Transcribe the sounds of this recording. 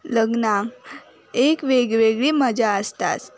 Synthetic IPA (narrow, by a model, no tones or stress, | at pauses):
ləɡna | ekʋeɡʋeɡɭiməd͡ʑaəst̪a̰t̪